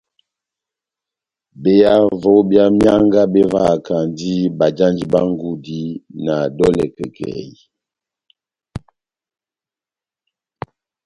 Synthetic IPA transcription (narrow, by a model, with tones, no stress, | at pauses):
be˨ja˦vo˦bja˦mja˦ŋɡa˦bɛ˦va˦˨ka˨ndi˦ba˨d͡ʒa˦nd͡ʒi˨ba˦ŋ˦ɡu˦di˦na˨dɔ˦lɛ̰˨kə̰˨kʰɛ̰˨ji˨